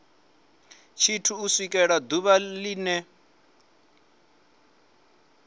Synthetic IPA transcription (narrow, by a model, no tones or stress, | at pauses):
t͡ʃʰitʰuːsikʼɛɺad̪uβaliːnɛ